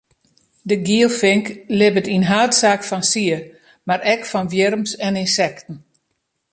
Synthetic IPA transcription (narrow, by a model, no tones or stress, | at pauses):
dəɡiəlˠfɪŋklɪbətinɦaːtsaːkfɔnsiə | maɾɛkfɔnʋjɪrmsɛninsɛktn̩